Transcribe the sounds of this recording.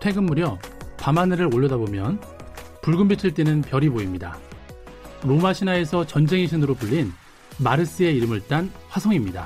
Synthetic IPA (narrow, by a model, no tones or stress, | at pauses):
tʰe̞ɡɯmːuɾjʌpamanɯɾɯɾoʎːʌdabomjʌn | puɭɡɯmbitʰɯɭt͈e̞nɯnpjʌɾiboimɲida̰ | ɾomaɕʰinae̞sʰʌt͡ɕʌnd͡ʑe̞ŋiɕʰinɯɾopuʎːin | maɾɯs͈ɯe̞iɾɯmɯɭt͈anɸwasʰʌŋimɲida̰